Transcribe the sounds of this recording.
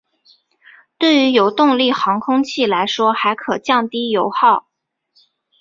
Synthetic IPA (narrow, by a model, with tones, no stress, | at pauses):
t̪we˥˩ɪy˧˥jo˨˩ʊt̪ʊ˥˧ŋli˥˩xɑ˧˥ŋkʰʊ˥ŋt͡ɕʰi˥˩la˧˥ɪʂwɔ˥xa˧˥ɪkʰɤ˨˩t͡ɕjɑ˥˩ŋt̪i˥jo˧˥ʊxɑ˥˩ʊ